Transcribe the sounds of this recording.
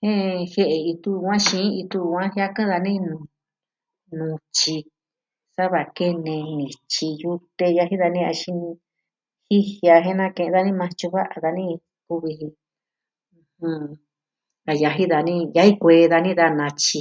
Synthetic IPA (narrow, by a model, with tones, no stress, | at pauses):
hẽ˦˧he˧˦ʔe˧˨i˧t̪u˦˧wã˦ʃĩ˦i˧t̪u˧ã˦hja˦kã˦ða˧nĩ˦nũ˧ | nũ˨˧t͡ʃi˧ | sa˦βa˧ke˦nẽ˧nĩ˨t͡ʃi˧ju˧t̪e˧ja˧ɦi˦ða˧nĩ˦a˧ʃi˧ñ˧ | hi˦hja˧ɦẽ˦nã˦˧kẽ˧ʔða˧nĩ˦mã˧t͡ʃu˧βa˦ʔa˧ða˧nĩ˦ | ku˧βi˧ɦĩ˧ | hũ˧ | a˧ja˧ɦi˦ða˧nĩ˦˧ja˧hi˦kʷe˧ða˧nĩ˦ða˧nã˧t͡ʃi˧